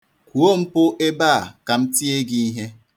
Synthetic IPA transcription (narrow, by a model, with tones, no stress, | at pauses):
kʷu˨o˦m̩˦pʊ˦ʔe˦ba˦a˨ka˨m̩˦ti˦e˦ɡi˦i˦ɦe˦